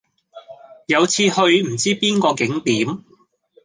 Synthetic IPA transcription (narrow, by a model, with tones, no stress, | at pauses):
jɐ˨˧wt͡sʰiː˧hɵ˧ɥm̩˨˩t͡siː˥piː˥nkɔː˧kɪ˨˥ŋt̪iː˨˥m